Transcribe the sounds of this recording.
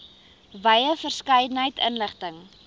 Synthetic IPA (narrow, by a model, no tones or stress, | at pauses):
bɐjəfərskəjdənɦəjtənləχtəŋ